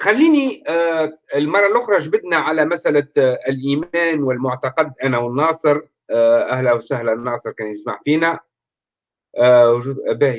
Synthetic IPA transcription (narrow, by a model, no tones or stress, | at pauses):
xalːiːni | ɪlmɑrˤːɑlʔʊxɾˤɑʒbɪd̪næʕalæmæsʔælæɪlʔiːmæːnwɪlmʊʕt̪ɑqɑd̪ʔænæwɪnːɑːsˤɨɾ | ʔæhlæwsahlænːɑːsˤɨɾkæːnjɪsma̰ʕfiːnæ | wʒuːd̪ʔæbæː